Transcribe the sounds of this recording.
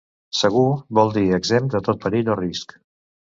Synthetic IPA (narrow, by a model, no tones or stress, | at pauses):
səɣ̞uβɔlˠd̪iəɡzemd̪ət̪ot̪̚pəɾiʎorisk